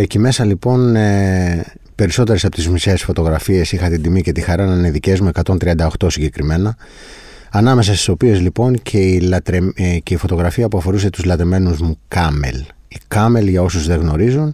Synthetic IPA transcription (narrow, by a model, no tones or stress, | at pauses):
eceme̞sɐlipo̞ne | pe̞ɾiso̞t̪eɾesɐpo̞t̪izmise̞ːsfo̞t̪o̞ɣɾɐfie̞sixɐt̪ind̪imice̞t̪ixɐɾɐnɐineðice̞zmue̞kɐt̪o̞nt̪ɾiɐnd̪ɐo̞xt̪o̞siɲɟe̞kɾime̞nɐ | ɐnɐme̞s̬ɐst̪i̥so̞pie̞zlipo̞ncʰeilɐt̪ɾece̞ifo̞t̪o̞ɣɾɐfiɐpuɐfo̞ɾus̬e̞t̪uzlɐt̪ɾeme̞nuzmukɐme̞̰l | ikɐme̞lʝɐo̞suzðe̞ɣno̞ɾizun